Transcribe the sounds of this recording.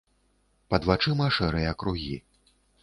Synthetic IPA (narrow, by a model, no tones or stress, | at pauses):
pɐd̪vat͡ʂɨmɐʂɛɾɨjɐːkɾuɣʲḭ